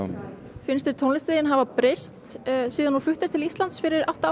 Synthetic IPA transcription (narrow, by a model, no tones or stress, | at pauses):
n | fɪnst̪ɪɾt̪ʰownlɪst̪eðjɪnɦavapɾest̪siːðanːuflʏht̪ɪɾt̪ʰɪlist̪lant̪sfɪɾɪɾawht̪aa